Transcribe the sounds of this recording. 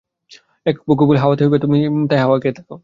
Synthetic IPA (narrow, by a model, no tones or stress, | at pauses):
ɛkboɡubulɦawat̪eɦojbet̪umit̪ajɦawakeɛt̪ʰḁkɔ